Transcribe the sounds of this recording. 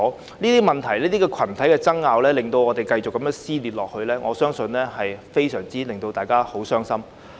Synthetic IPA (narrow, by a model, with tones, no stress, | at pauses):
niː˥t̪iː˥mɐ˨˩nt̪ʰɐ˨˩jliː˥t̪iː˥kɛː˧kʰɐ˨˩nt̪ʰɐ˨˥jkɛː˧t͡sɐ˥ŋːaː˧wlɛː˥lɪ˨ŋt̪o˧wŋɔː˨˧t̪e˨jkɐ˧jt͡skːɐ˨˦mjœː˨˥ŋsiː˥liː˨t̚lɔː˨k̚hɵ˧ɥlɛː˥ŋʔɔː˨˧sœː˥ŋsɵ˧nlɛː˥hɐ˨jfe˥jsœː˨˩ŋt͡siː˥lɪ˨ŋt̪o˧wt̪aː˨˩jkaː˥ho˨˥wsœː˥ŋsɐ˥m